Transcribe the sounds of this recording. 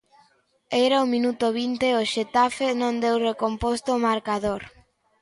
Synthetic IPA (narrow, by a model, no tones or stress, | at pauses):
ejɾaumĩnut̪oβint̪eoʃet̪afenõnd̪ewrekompost̪omaɾkaðoɾ